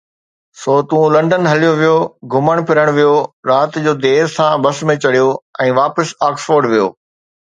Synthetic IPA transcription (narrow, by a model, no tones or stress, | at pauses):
soːt̪ũlɐ̃ɳɖənɦɐlijoʋijoɡʱʊməɽ̃pʰɪɾəɽ̃ʋijoɾaːt̪d͡ʑoːd̪eːɾsãbɐsmẽt͡ɕɐɽijoɛ̃ːʋaːpəsaːksfoːɾɖʋijo̰ː